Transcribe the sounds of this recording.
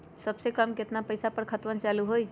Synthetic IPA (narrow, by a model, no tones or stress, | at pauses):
səbsekəmkɪt̪napəjsapəɾkʰət̪ʋənt͡ʃaːluɦoːi